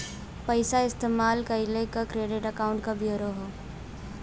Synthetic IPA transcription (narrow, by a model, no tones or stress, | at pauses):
pəɪsaɪst̪eːmaːlkaɪlekakɾeːɖɪʈəkaʊ̃ɳʈkabʱjoːɾoɦoː